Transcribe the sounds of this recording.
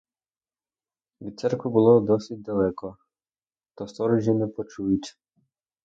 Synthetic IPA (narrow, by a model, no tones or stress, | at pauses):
ʋʲid̪̚sɛrkʋʊbʊlˠɔd̪ɔsʲit̚ʲd̪ɐlˠɛkɔ | t̪ɔst̪ɔɾɔʒʲinɛpɔt͡ʃujʊtʲ